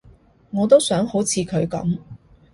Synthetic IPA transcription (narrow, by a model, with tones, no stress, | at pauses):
ŋɔː˨˧t̪o˥wsœː˨˥ŋho˨˥wt͡sʰiː˨˧kʰɵ˨˧ɥkɐ̰˨˥m